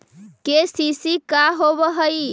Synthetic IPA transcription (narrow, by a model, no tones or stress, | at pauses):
kesisikaɦoβəɦəj